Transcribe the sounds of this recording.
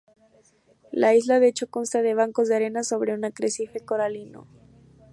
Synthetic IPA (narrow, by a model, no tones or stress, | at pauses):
laizlaðeet͡ʃo̞ko̞nst̪að̞e̞β̞aŋko̞zðeaɾe̞naso̞βɾe̞unakɾesife̞ko̞ɾalino̰